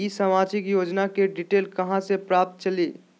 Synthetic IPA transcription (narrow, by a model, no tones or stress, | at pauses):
isəmad͡ʒɪkjoːd͡ʒnakeɖiʈeːlkəɦãsepɾap̚t̪̚t͡ʃəliː